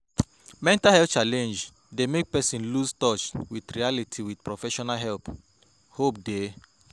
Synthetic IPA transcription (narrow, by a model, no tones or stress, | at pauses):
mɛ̃ntahɛlft͡ʃalɛ̃nd͡ʒ | demek̚pɛsĩnluztɔt͡ʃwidɹialitʰiwid̥pɹɔfɛʃɔnalɦɛlp | hopde